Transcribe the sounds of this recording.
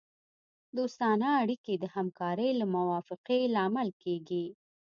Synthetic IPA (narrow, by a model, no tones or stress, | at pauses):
d̪ost̪ɑnaːɽiked̪əhamkɑɾəjlamʊwɑfɪqelɑmalkeɡi